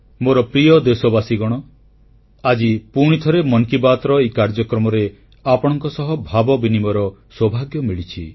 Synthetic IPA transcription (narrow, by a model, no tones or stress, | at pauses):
moɾɔpɾiɔd̪esɔbasiɡɔɽ̃ɔ | ad͡ʒipuɽ̃it̪ʰɔɾemɔŋkibat̪ɾɔekaɾd͡ʒɔkɾɔmɔɾe | apɔɽ̃ɔŋkɔsɔɦɔbʱabɔbinimɔɾɔswɔbʱaɡjɔmiɭit͡ʃʰi